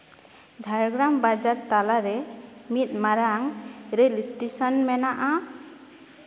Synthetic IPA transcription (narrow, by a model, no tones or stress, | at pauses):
dʱaɾɡɾambad͡ʒaɾt̪alaɾɛmit̪̚maɾaŋɾelisʈesɔnmɛnaʔa